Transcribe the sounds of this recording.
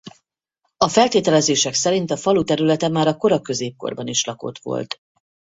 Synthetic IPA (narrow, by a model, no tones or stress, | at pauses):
ɒfɛlt̪eːt̪ɛlɛzeːʃɛksɛɾint̪ɒfɒlut̪ɛɾylɛt̪ɛmːaːɾɒko̞ɾɒkø̞zeːp̚ko̞̰rbɒniʃlɒko̞̰t̪ʋo̞̰lt̪